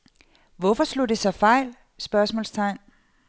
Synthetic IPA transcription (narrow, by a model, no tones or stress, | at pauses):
ʋɔfɒslo̝d̥e̝sɒ̽fɑ̈ɪ̰l | sb̥ɶɐsmɔ̰ːlst͡sʰɑ̈ɪ̰n